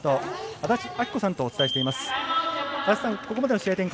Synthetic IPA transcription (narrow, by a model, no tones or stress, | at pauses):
t̪oat̪aɕiakʲi̥ko̞sãnt̪o̞ːt͡sɨt̪aeɕi̥t̪e̞imasɨ̥ | at̪assãŋko̞komad̪e̞noɕiat̪ẽ̞ŋk